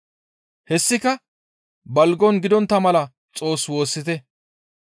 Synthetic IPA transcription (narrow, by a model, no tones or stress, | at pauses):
hɛsːɪkɐ | bɐlɡɔnɡɪd̪ɔnt̪ːɐmɐlɐ | t͡sʼo̞ːswo̞ːsːɪt̪ɛ